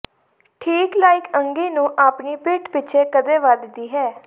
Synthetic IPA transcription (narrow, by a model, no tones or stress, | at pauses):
ʈʰiːklaːɪkəŋɡiːnũːʔaːpniːpɪʈpɪt͡ʃʰeːkəd̪eːʋaːd̪ɪt̪iːɦɛː